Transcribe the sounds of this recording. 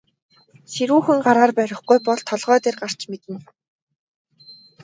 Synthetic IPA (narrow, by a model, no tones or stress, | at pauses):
seɾuːxɘ̆ŋɢaɾaːrpæɾʲɪ̆χɡujpɔɮt̪ʰːɔɮʁœːt̪eːrɢar̥t͡ɕmet̪ɘ̆n